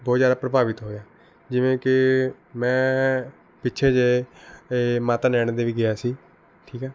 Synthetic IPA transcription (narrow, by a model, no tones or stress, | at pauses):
bɔːt̪zjaːd̪aːpɾəbaːʋɪt̪ɦoːjaː | d͡ʒɪʋẽːkɪ | mɛ̃ː | pɪtːt͡ʃʰeːd͡ʒeːeːmaːt̪aːnɛːɽ̃d̪eːʋiːɡɪaːsiː | ʈʰiːkɛː